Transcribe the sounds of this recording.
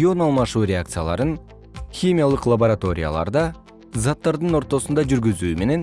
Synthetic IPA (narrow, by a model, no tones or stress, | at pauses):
o̞nɑlˠmɑʃuːɾʲeak̚t̪sɨjalˠɑ̰ɾɯn | xʲimʲijalˠɯqlˠaboɾat̪o̞ɾʲija̰lˠɑ̰ɾd̪ɑ | zat̪ːɑɾd̪ɯno̞ɾt̪o̞sund̪ɑd͡ʒyɾɡyzyːme̞ne̞n